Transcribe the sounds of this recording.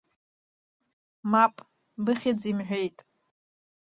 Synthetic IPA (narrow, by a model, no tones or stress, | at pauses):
mapʼ | bɨχʲɪd͡zimħʷᶣe̞jtʼ